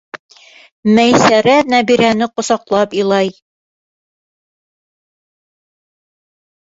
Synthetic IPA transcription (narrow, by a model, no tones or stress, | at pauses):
mæjsæɾænæbiɾænɘqŏsɑqlˠɑpilˠɑj